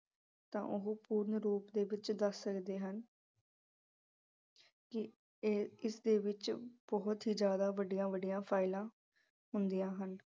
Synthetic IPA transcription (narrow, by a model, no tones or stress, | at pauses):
t̪ã̰ːʔʊɦũːpuːɾnɾuːpd̪eːʋɪt͡ʃd̪əsːəkd̪eːɦən | kɪː | ɪsd̪eːʋɪt͡ʃb̥ɔːt̪ɦiːd͡ʒjaːd̪aːʋəɖijãːʋəɖijãːpʰaːɪlãː | ɦʊnd̪ijãːɦən